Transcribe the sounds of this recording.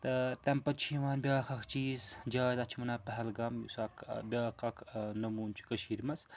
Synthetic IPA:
t̪ɐt̪ɛmpɐt͡ʃʰiʋaːnbʲaːkʰɐkʰt͡ʃiːzd͡ʒaːzɐt͡ʃʰimɐnaːpɐɦɐlɡɐmjṵsakʰbʲaːkʰɐkʰnɐmuːnt͡ʃʰi̥kɐʃiːɾmɐs

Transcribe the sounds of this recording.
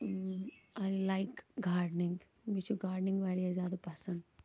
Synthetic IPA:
aɪlaɪkɡaːɾɖnɪ̃ŋɡ | mit͡ʃuɡaːɖnɪ̃ŋɡʋaɾiɐzjaːd̪ɐpɐsə̃ɳɖ

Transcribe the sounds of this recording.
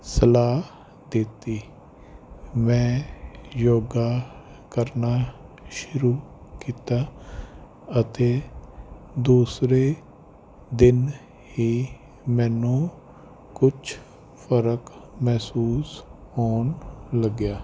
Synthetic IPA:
səlaː | d̪ɪt̪iː | mɛ̃ːjoːɡaː | kəɾnaːʃʊɾuːkiːt̪aː | ət̪eː | d̪uːsɾeː | d̪ɪn | hiː | mɛ̃ːnũː | kʊt͡ʃʰ | pʰəɾəkmɛːsuːshoːnləɡjaː

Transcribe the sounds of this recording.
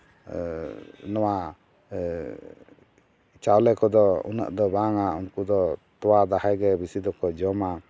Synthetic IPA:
nɔwa | t͡ʃawlɛkɔd̪ɔṵna̰ʔd̪ɔbaŋaunkud̪ɔt̪ɔwad̪ahajɡɛbisid̪ɔkɔd͡ʒɔma

